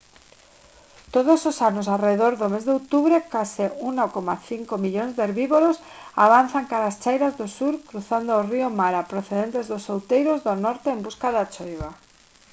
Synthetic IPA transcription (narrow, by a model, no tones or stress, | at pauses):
t̪oð̞ososanosareðoɾðomezðeowt̪uβɾekaseunakomaθiŋkomiʎonzðeɾβiβoɾos | a̰β̞anθaŋkaɾast͡ʃajɾazðosuɾkɾuθand̪ooriomaɾapɾoθeðent̪ezðosowt̪ejɾozðonoɾt̪eːmbuskaðat͡ʃojβa